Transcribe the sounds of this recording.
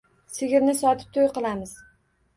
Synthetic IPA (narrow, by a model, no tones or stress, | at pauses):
sɪɡʲɪɾnɪsɒt̪ʰɪ̥p̚t̪ʰojqɨlˠamɪz̥